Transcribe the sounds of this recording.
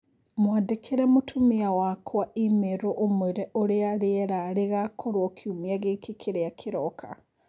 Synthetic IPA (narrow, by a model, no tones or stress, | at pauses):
mwadekʰeɾɛmotʰumiawakʰwaimeɾoʔomweɾɛʔoɾeaɾeɛɾaɾeɣakʰoɾwɔkʰiumiaɣekekʰeɾeakʰeɾɔkʰa